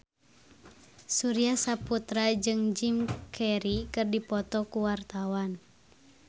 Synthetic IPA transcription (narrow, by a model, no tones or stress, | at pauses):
suɾiasaput̪ɾad͡ʒɨŋd͡ʒimkʰɛɾikɨrdipɔt̪ɔkuwart̪awan